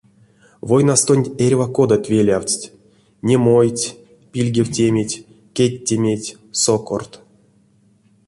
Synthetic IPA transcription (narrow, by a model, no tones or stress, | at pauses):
vojnast̪onʲerʲvako̞d̪at̪ʲvʲelʲawt͡sʲtʲ | nʲemojtʲ | pʲilʲɡʲewtʲemʲetʲ | kʲetʲːemʲetʲ | soko̰rt̪